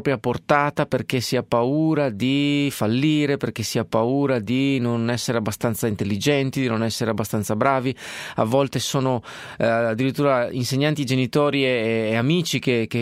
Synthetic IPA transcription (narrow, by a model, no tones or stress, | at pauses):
pɾjaport̪aːt̪aperk̟esːiapauːɾad̪ifalːiːɾeperkesːiapauːɾad̪inonɛsːeɾeabːast̪ant̪saint̪elːid͡ʒɛnt̪id̪inonɛsːeɾeabːast̪ant̪sabɾaːvia̰vːɔlt̪esoːno | ad̪ːiɾit̪ːuːɾainseɲːant̪id͡ʒenit̪ɔːɾieːamiːt͡ʃikeke